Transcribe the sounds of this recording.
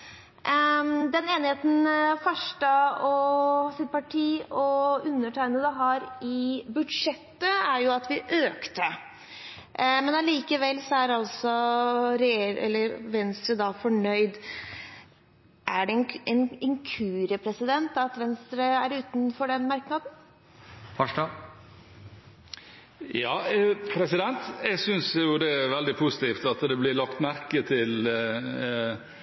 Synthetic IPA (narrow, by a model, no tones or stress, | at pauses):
d̪ɛneːnɪheːt̪n̩fɑʂʈəɔsɪt̪̚pɑʈʰiːɔʉnːəʈʰæɪnəd̪ɛɦɑɾɪbʉd̪ʂɛt̪ːəæɾjʊɑt̪ʋɪʔøːkt̪ə | mɛnɑliːkəʋɛlːsɔæɾɑlsɔɾɛeɾɛ̰lːəɾʋɛnst̪ɾəd̪ɑfɔɳœʏd̪ | ʔæɖɛɛnɪŋkʰʉːɾəpʰɾɛsɪd̪ɛnt̪ɑt̪ʋɛnst̪ɾəæɾʉːt̪n̩fɔɖɛnmɑɾknɑd̪n̩ | fɑʂɑ | jɑːpʰɾɛsɪd̪ɛnt̪ɛɪsʏnsjʊd̪ɛʋɛld̪ɪpʰʊsɪ̥t̪ʰiːft̪ɑt̪d̪ɛblɪlɑkt̪mæɾkət̪ʰɪl